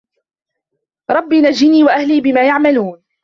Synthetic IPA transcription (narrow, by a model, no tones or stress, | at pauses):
ɾˤɑbːiːnad͡ʒɪniːwaʔahliːbɪmaːjaʕmaluːn